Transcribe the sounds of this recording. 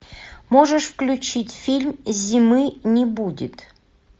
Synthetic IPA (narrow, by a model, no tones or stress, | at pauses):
moʐəʂfklʲut͡ɕitʲfʲilʲmʲzʲimɨnʲibudʲḭt̪